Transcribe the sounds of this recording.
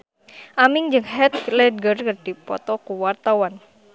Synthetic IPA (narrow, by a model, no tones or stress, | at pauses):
ʔamɪŋd͡ʒɨŋhɛt̪̚lɛd̚ɡərkɨrd̥ipɔ̰t̪ɔkuwart̪awan